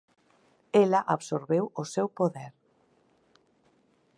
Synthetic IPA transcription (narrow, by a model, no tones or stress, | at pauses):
elaʔaβsoɾβewosɛwpoðɛɾ